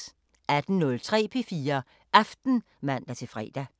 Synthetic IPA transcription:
æd̥n̩nɔ̽lt͡sʰʁɛ̰ːpʰe̝fiːɐ | ʔæfd̥n̩ | mæn̰d̥æt͡sʰe̝fʁɛ̰ːd̥æ

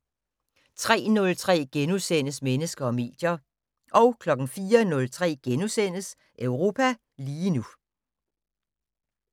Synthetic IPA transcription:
t͡sʰʁɛ̰ːnɔ̽lt͡sʰʁɛ̰ːɡ̥enusen̰əsmenəsɡ̥ɐɒ̽me̝̰ːd̥jɐ | ʔɒ̽ʊkʰlɒ̽ɡ̥n̩fiːɐnɔ̽lt͡sʰʁɛ̰ːɡ̥enusen̰əs | ʔøʊʁo̝ːpʰæ | liːnu

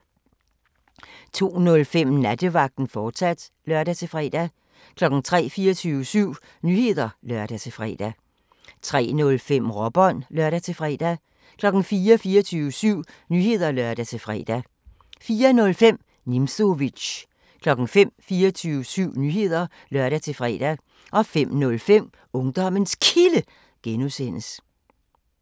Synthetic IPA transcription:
t͡sʰo̝̰ːnɔ̽lfem̰næd̥əʋɑ̈ɡ̥̚d̥n̩fɒ̥ːsæd̥ | lɶɐɾ̥æt͡sʰe̝fʁɛ̰ːd̥æ | kʰlɒ̽ɡ̥n̩t͡sʰʁɛ̰ːfiːɐt͡sʰyːʊəsyʊ̰ | nyhe̝ð̰ˠɐlɶɐɾ̥æt͡sʰe̝fʁɛ̰ːd̥æ | t͡sʰʁɛ̰ːnɔ̽lfem̰ʁɒb̥ɒ̽nlɶɐ̰ɾ̥æt͡sʰe̝fʁɛ̰ːd̥æ | kʰlɒ̽ɡ̥n̩fiːɐfiːɐt͡sʰyːʊəsyʊ̰ | nyhe̝ð̞ˠɐlɶɐd̥æt͡sʰe̝fʁɛ̰ːd̥æ | fiːɐnɔ̽lfem̰ | nimso̝ʋiɕ | kʰlɒ̽ɡ̥n̩fem̰fiːɐt͡sʰyːʊəsyʊ̰nyːhe̝ð̞̰ˠɐ | lɶɐɾ̥æt͡sʰe̝fʁɛ̰ːd̥æ | ʔɒ̽fem̰nɔ̽lfem̰ | ɔ̽ŋd̥ɒ̽m̰ənskʰilə | ɡ̥enusen̰əs

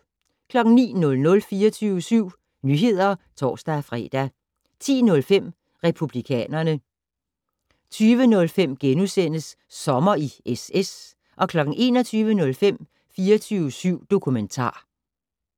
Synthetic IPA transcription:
kʰlɒ̽ɡ̥ŋ̩nḭːnɔ̽lnɔ̽lfiːɐt͡sʰyʋəsyʊ̰ | nyɦe̝ð̞̰ˠɐt͡sʰɒ̰ːsd̥æfʁɛ̰ːd̥æ | t͡sʰḭːnɔ̽lfem̰ | ʁɛpʰub̥likʰɛ̰ːnɐnə | t͡sʰyːʋənɔ̽lfem̰ɡ̥enusen̰əsː | ɒ̽mɐieses | ʔɒ̽kʰlɒ̽ɡ̥ŋ̩ʔe̝̰ːnɒ̽t͡sʰyːʋənɔ̽lfem̰ | fiːɐt͡sʰyːʊəsyʊ̰d̥o̝kʰument͡sʰɑ̰̈ː

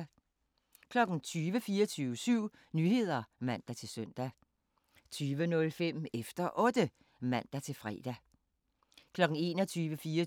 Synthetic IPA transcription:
kʰlɒ̽ɡ̥n̩t͡sʰyːʋəfiːɐt͡sʰyːʊəsyʊ̰ | nyːhe̝ð̞̰ˠɐmæn̰d̥æt͡sʰe̝lsœn̰d̥æ | t͡sʰyːʋənɔ̽lfem̰efd̥ɐʔɔ̽d̥ə | mæn̰d̥æt͡sʰe̝lfʁɛ̰ːd̥æ | kʰlɒ̽ɡ̥n̩e̝̰ːnɒt͡sʰyːʋəfiːɐ

